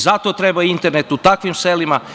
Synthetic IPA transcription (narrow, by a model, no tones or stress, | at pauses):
zat̪o̞t̪ɾebaint̪eɾne̞t̪ut̪akʋimselima